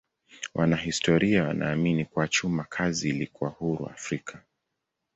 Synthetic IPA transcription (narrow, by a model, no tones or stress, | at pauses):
wʔanaɦistɔɾiawa̰nʔa̰ːminikuat͡ʃumakʰaziːlikuwahuɾṵa̰fɾikʰa